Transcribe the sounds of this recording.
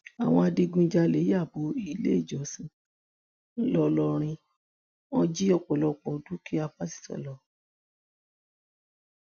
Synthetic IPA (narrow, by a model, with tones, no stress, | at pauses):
a˨w̃ɔ̃˧a˧di˧ɡũ˧˦d͡ʒa˧le˨˦ja˦˨bo˨˦i˧˨lḛ˦i˦˨d͡ʒɔ˨˦sĩ˧˦ | lɔ˧lɔ˧ɾ̃ĩ˧ | ɔ˧d͡ʒi˦ɔ˧˨k͡pɔ˨lɔ˧˨k͡pɔ˨du˦ki˦a˧pa˦si̥˦˨tɔ̰˨lɔ˧˦